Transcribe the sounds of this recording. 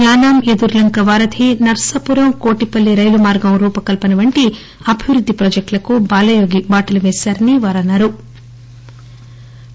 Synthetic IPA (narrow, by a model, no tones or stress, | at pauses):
aːnaːmed̪uɾlɐŋkɐʋaːɾɐd̪ʰʱinɐɾsɐpuɾɐmko̞ːʈipɐlːiɾɐjlumaːɾɡɐmɾuːpɐkɐlpɐnɐʋɐɳʈi | ɐbʱiʋɾud̪ʱːipɾoːd͡ʒɐk̚ʈlɐkubaːlɐjoːɡibaːʈɐluʋɛːsaːɾɐniʋaːɾɐnːaɾu